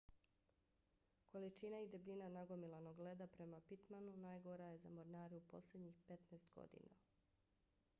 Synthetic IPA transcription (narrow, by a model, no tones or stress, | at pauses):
ko̞lit͡ʃinaid̪ebʎinanaɡo̞milano̞ɡle̞d̪apɾe̞mapit̪manunajɡoɾaje̞zamo̞ɾnaːɾɛupo̞̰slʲe̞d̪ɲixpe̞t̪neːst̪ɡo̞̰d̪ḭna̰